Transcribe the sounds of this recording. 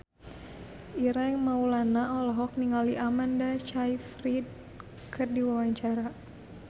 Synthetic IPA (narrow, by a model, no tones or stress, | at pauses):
iɾaŋmaulanaɔlɔɦɔk̚niŋaliʔamandat͡ʃajfɾid̚ | kʰɨrdiwawaɲt͡ʃaɾa